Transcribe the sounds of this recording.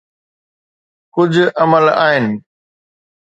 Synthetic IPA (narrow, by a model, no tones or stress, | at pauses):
kʊd͡ʑʱʊ̆ɐməla̰ːɦɪnɪ̆